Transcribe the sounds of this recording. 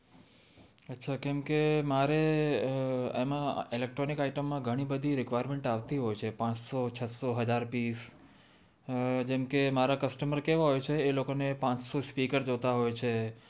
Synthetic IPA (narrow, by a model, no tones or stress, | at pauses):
ətːʃʰakɛmkemaɾe | emãilek̚ʈɾonikaiʈəmːãɡʱəɽ̃ibəd̪ʱiɾɪkʋajɾmẽɳʈaʋt̪iɦojt͡ʃʰepãt͡ʃsot͡ʃʰət̪soɦəd͡ʒaɾpis | d͡ʒɛmkemaɾakəsʈəməɾkeʋaɦojt͡ʃʰeːlokonepãt͡ʃsospikəɾd͡ʒot̪aɦojt͡ʃʰe